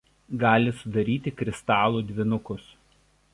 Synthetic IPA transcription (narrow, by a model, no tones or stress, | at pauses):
ɡɑːlʲɪsʊd̪ɐɾʲiːt̪ʲɪkɾʲɪst̪ɑːlˠuːd̪ʲʋʲɪnʊkʊs